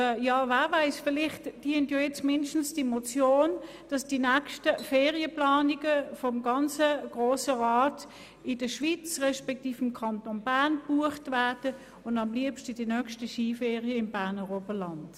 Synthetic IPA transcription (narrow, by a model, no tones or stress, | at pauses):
jɑːvaːvaɪsfɪlɪχtd̥iəntjoɛt͡smɪndʃtn̩sd̥imɔt͡sjoːn | d̥ɑsd̥inɛkʃtəfeːʁiəplɑːniɡəfɔmɡɑnt͡səɡ̥ʁoːsəʁɑːt | ɪdəʃʋit͡sʁɛʃpɛk̚tiːfɪmkʰɑntonb̥æɐnb̥uəχtvæɐd̥ə | ʊndɑmliəpʃtəd̥inœkʃtəʃiːfeːʁiəɪmbæɐnəʁobəlɑnd̥